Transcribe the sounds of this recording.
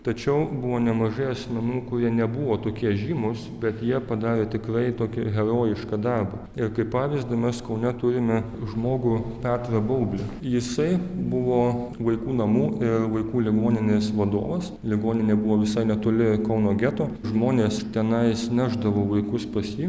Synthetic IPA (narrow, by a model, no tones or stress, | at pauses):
t̪ɐt͡ʃʲɛʊbʊʋoːnʲɛmɐʒɐɪɐsʲmʲɛnuːkʊɾʲiɛnʲɛbʊʋoːt̪oːkʲiɛʒʲiːmʊsbʲɛt̪jiɛpɐd̪ɑːɾʲeːt̪ʲɪkɾɐɪt̪oːkʲɪɣʲɛɾoːjɪʃkɑd̪ɐrbɐ | ɪrkɐɪpɑːʋʲɪzd̪ɐmʲɛskɐʊnʲɛt̪ʊɾʲɪmʲɛ | ʒmoːɡʊpʲɑːt̪ɾɐbɐʊbʲlʲɪjɪsɐɪbʊʋoːʋɐɪkuːnɐmuːɪrʋɐɪkuːlʲɪɡoːnʲɪnʲeːsʋɐd̪o̰ːʋɐs | lʲɪɡoːnʲɪnʲeːbʊʋoːʋʲɪsɐɪnʲɛt̪oːlʲɪkɐʊnoːɡʲæt̪oː | ʒmoːnʲeːst̪ʲɛnɐɪsʲnʲæːʒd̪ɐʋoːʋɐɪkʊspɐsjiː